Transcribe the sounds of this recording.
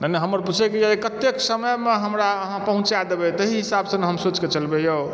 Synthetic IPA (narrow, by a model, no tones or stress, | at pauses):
nanɛɦəməɾput͡ʃʰɛkiekət̪ːeksəməjmeɦəmɾaəɦãpəɦũt͡ʃad̪ebɛt̪əɦiɦisabsəneɦəmsot͡ʃket͡ʃəlbejo